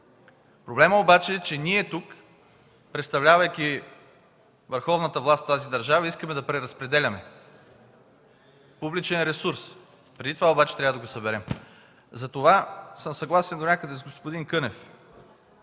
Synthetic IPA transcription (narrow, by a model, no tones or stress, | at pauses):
pɾoblɛməobat͡ʃɛːt͡ʃɛniɛt̪uk | pɾɛt̪st̪ɐvlʲavəjk̟i | vəɾxɔvnət̪əvlˠast̪t̪ːazid̪ɐɾʒavəiskəmɛd̪ɐpɾɛɾɐspɾɛd̪ɛlʲɐmɛ | publit͡ʃɛnɾɛsuɾs | pɾɛd̪it̪ovaobat͡ʃɛ̥t̪ɾʲavəd̪ɐɡosɐbɛɾɛm | zɐt̪ovasɤmsɐɡlˠasɛnd̪onʲakəd̪ɛzɡospod̪inkɤnɛf